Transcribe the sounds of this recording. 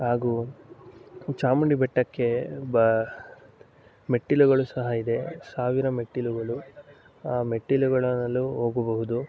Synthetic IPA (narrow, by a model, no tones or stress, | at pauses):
ɦaːɡu | t͡ʃaːmuɳɖibɛʈːɐkːe̞b | meʈːiluɡɐɭusɐɦɐid̪e̞saːʋiɾɐmeʈːiluɡɐɭu | aːmeʈːiluɡɐɭɐnɐlːuɦoːɡɐbɐɦud̪u